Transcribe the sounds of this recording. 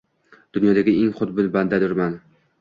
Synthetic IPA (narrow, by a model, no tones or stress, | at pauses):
d̪̥ʊnjɒd̪aɡʲɪeŋχʊd̪̚bɪlband̪ad̪ʊɾman